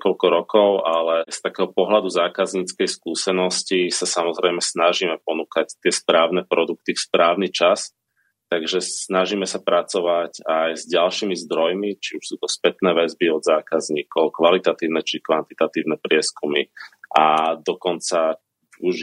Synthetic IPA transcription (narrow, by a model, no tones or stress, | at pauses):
kɔlkɔɾɔkɔʊʔalɛst̪akɛːɦɔpɔɦlad̪uzaːkazɲiːt͡skɛjskuːsɛnɔscisasamɔzɾɛjmɛsnaʒimɛpɔnuːkact̪ɪɛspɾaːʊnɛpɾɔd̪uk̚t̪ifspɾaːʊnit͡ʃas | t̪aɡʒɛsnaʒimɛsapɾat͡sɔʋacajzɟalʃiːmizd̪ɾɔjmit͡ʃiuʃsuːt̪ɔspɛt̪nɛːʋɛzbiɔd̪zaːkazɲiːkɔʊkʋalit̪at̪iːʊnɛt͡ʃikʋant̪it̪at̪iːʊnɛpɾɪɛskumḭʔad̪ɔkɔnt͡sa | uʒ